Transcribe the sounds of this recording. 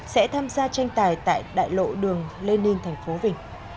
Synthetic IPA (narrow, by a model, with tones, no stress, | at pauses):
sɛ̰˧˥t̪ʰaː˧mzaː˧t͡ɕa˧jŋ̟t̪aː˧˩jt̪a̰ː˧˨jɗa̰ː˧˨jlo̰˧˨ɗɨ˨˩əŋle˧nːï˧ŋt̪ʰɛ˨˩jŋ̟fo˨˦vï˨˩ŋ̟